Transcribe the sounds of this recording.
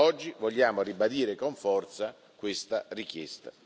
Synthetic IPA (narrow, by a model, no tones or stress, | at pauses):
ɔd͡ʒːivɔʎːaːmoribad̪iːɾekoɱfɔrt̪sa | kwɪst̪arikjɛ̰st̪a̰